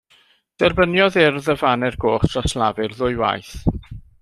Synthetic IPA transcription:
d̥ɛrbənjɔðɪrðəvanɛrɡoːχtʰratʰlˠavɨrðʊɨwa̰jθ

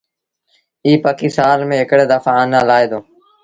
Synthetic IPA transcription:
iːpəkiːsaːnmẽːɦɪkɽeːd̪əfaːnaːlaːeːd̪oː

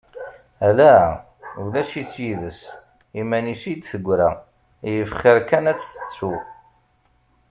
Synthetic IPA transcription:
ælæ | ulæʃit͡sːjiðəs | imænisid̪θəɡʷːɾæ | jəfχɪɾkænæt͡sːθə̥t͡sːu

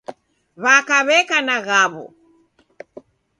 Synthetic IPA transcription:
βakaβɛkanaɣaβɔ̰

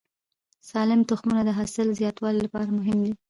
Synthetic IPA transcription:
sɑlɪmt̪ʊxmunad̪əɦɑsɪlzjɑt̪wɑlilapɑɾamʊɦɪmd̪i

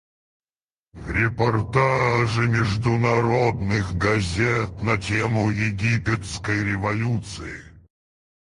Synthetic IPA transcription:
ɾʲɪpɐrt̪aʐɨmʲɪʐd̪ʊnɐɾod̪nɨxɡɐzʲet̪nɐtʲemʊjɪɡʲipʲɪt̪skəjɾʲɪvɐlʲut̪sɨɪ

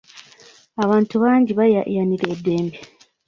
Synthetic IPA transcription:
aβaːntuβaːɲɟiβajajaniɾedːe̞ːmbe

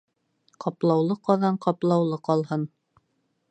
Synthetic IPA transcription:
qʰɑplˠɑwlˠɤqɑðɑɴqɑplˠɑwlˠɤqɑlˠhɤn

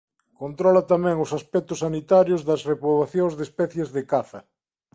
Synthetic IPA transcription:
kont̪ɾɔlat̪amɛ̃ŋʊsaspɛk̚t̪ʊsanit̪aɾjʊzðɐsrepɾoβ̞aθjõŋzðespɛθjezðekaθɐ

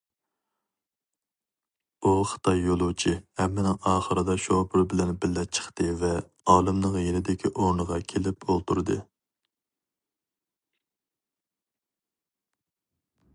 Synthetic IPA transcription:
uχə̥t̪ʰɑjːolˠut͡ʃʰihɛmːɪnɪŋɑːχəɾɨd̪ɑʃopʰʊɾbɪlɛnbɪlːɛt͡ʃʰə̥χt̪ɨvɛ | ɑːlˠɨmnəŋjenɪd̪ɪkʲʰiʔoɾnəʁɑkʲʰelɪpolˠt̪ʰuɾɨd̪ɨ

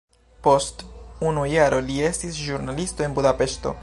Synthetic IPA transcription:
po̞stunujaɾo̞lie̞stisʒuɾnalisto̞enbud̪ape̞ʃto̞̰

